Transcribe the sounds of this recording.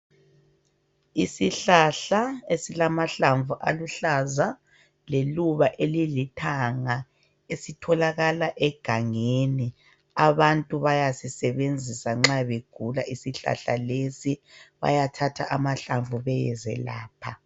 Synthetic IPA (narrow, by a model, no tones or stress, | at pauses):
isiɬaɬaesilamaɬaɱvuʔaluɬaza | leluβaʔelilitʰaŋa | esitʰɔlaɣalaʔɛɡ̥ʱaŋeni | aβantʼuβajasisɛβend͡zʱisaŋ͡ǁaβeɡ̥ʱulaʔisiɬa̰ɬa̰lesiβa̰jatʰatʰaʔamaɬaɱvʱuβɛjɛzɛ̰la̰ːpʰa